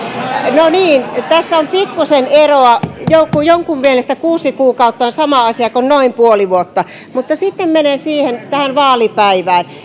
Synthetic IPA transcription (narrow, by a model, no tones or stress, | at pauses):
noniːnt̪æsːæompikːuseneroɑjoukujoŋkummielest̪ækuːsikuːkɑut̪ːɑonsɑmɑɑsiɑkonnoimpuoliʋuot̪ːɑ | mut̪ːɑsit̪ːemmenensiːhent̪æhænʋɑːlipæiʋæːn